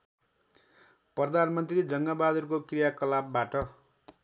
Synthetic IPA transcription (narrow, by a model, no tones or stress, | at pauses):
prʌd̪ʱanmʌnt̪rid͡zʌŋɡabad̪urkokrijakʌlabbaʈʌ